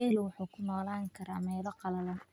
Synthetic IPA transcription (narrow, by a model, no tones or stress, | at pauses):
ɛːlwɑħuːkʰʊnɔːlaːŋkʰɐɾa̰ːmɛːlɐqɑlɐlɐn